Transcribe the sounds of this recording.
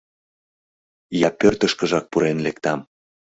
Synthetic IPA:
jɑpørt̪əʃkə̆ʒɑk̚puɾenlekt̪ɑm

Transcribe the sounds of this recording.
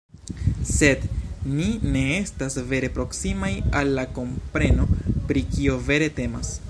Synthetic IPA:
se̞dnine̞e̞stasve̞ɾe̞pɾo̞ksimajalːako̞mpɾe̞no̞pɾikio̞ve̞ɾe̞te̞ma̰s

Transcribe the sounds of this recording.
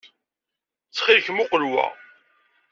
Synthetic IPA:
t͡sːχɪlçmʊqəlwæ̰

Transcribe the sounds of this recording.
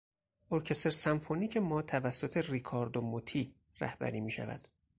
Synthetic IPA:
ʔoɾcʰest̪eɾsæmfoniːcʰemɒːt̪ʰævæsːo̞t̪ʰe̞rikʰɒːɾd̪omot̪ʰiː | ræ̰hbæ̰ɾiːmiːʃæ̰væ̰d̪̥

